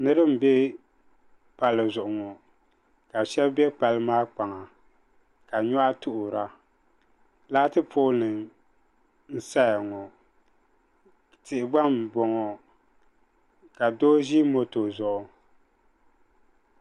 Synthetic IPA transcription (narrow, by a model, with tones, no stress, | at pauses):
nɨ˦ɾɨ˦m̩˨bɛ˦ | pa˨lɨ˨zʊ˨ʔʊ˨ŋɔ˨ | ka˨ʃɛ˦bbɛ˦pa˨lɨ˦maː˦k͡pa˨ŋa˨ | ka˨ɲɔ˦ʔa˦tʊ˦ʔʊ˨ɾa˨ | laː˦tɨ˦pʰoː˦nɨ˨ŋ | n̩˦sa˦ja˨ŋɔ˨ | tɪ˨ʔɪ˨ba˦m˨bɔ˨ŋɔ˨ | ka˨doː˦ʒi˦mo˦to˨zʊ˨ʔʊ˨